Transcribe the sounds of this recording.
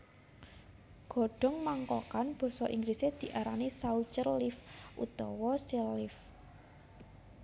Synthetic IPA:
ɡ̥ɔ̤ɖ̥ɔ̤ŋmaŋkɔkanb̥ɔ̤sɔʔiŋɡɾised̪̥i̤ʔaɾanisaut͡ʃərlɪfʔṵt̪ɔ̰wɔsilːɪf

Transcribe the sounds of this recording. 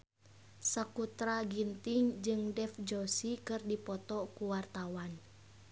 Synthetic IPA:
sakut̪ɾaɡint̪iŋd͡ʒɨŋdɛfd͡ʒɔsikɨrdipɔt̪ɔkuwart̪awan

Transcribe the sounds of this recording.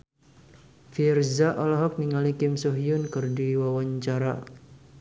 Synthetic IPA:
firzaʔɔlɔɦɔk̚niŋalikɪmsoɦiʊnkərdiwawaɲt͡ʃaɾa̰

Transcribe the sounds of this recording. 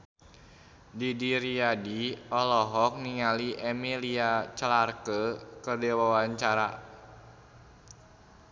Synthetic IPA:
didiɾiadiɔlɔɦɔk̚niŋaliʔɛmiliat͡ʃlarkəkədɛwawaɲt͡ʃaɾa

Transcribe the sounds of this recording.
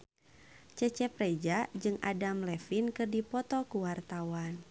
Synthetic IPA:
t͡ʃət͡ʃɛprɛd͡ʒad͡ʒɨŋʔa̰damlɛfinkɨrdipɔt̪ɔkuwart̪awan

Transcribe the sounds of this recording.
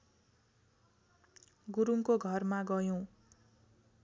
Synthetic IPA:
ɡuɾuŋkoɡʱʌrmaɡʌjõ

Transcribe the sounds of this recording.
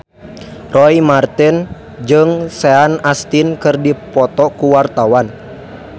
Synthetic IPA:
rɔimart̪in | d͡ʒɨŋsɛanast̪inkɨrdipɔt̪ɔkuwart̪awan

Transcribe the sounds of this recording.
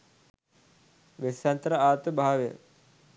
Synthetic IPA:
ʋesjant̪əɾəaːt̪əbʱaːʋejə̰

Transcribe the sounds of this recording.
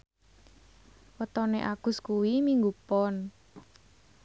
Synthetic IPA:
wət̪ɔneʔaɡ̥ʊ̤skuwimiŋɡupɔn

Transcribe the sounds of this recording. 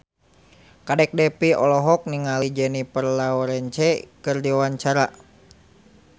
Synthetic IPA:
kadɛk̚dɛpiʔɔlɔɦɔk̚niŋalid͡ʒɛnipərlaɔɾɛnt͡ʃɛkɨrdiwawaɲt͡ʃaɾa

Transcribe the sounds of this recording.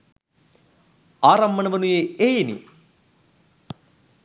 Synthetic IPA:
aːɾɐmːɐnɐʋɐnujeʔejinḭ

